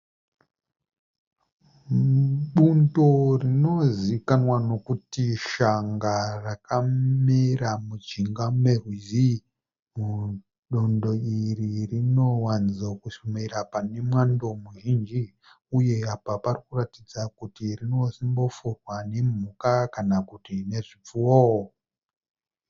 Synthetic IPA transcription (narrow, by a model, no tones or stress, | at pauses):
ɓundo̞rino̞zikanwano̞kutiʃaŋɡarakamiramut͡ʃiŋɡamerwizi | mu | ɗondo̞iririno̞wand͡zokuʃumeɾapane̞mwando̞muʒind͡ʒi | uje̞apaparikuratid͡zakutirino̞simbo̞furwane̞m̤ukakanakutine̞ʐip͡fuwoo